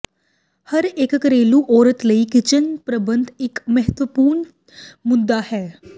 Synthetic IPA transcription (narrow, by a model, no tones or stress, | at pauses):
hɐɾeːkːəɾeːlũʔɔːɾət̪ləikɪt͡ʃənpɾəbə̃nd̪ʱɪkmɛɦət̪ʋəpuːɾɳ | mʊd̪ːahɛː